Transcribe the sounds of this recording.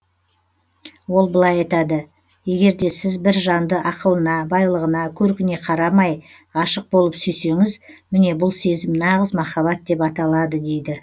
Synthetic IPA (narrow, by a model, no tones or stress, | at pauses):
wo̞lˠbəlˠɑjɑjt̪ɑd̪ə | je̞ɡʲe̞ɾd̪e̞sɪzbɪɾʒɑnd̪əʔɑqəlˠənɑbɑjlˠəʁənɑkʲʰɵɾkʲɪne̞qʰɑɾɑmɑj | ɑʃəq̚bo̞lˠəpsʏjse̞ŋɪzmɪne̞bʊlˠse̞zɪmnɑʁəzmɑχɑβɑt̪̚d̪e̞pɑt̪ɑlˠɑd̪əd̪e̞jd̪ɪ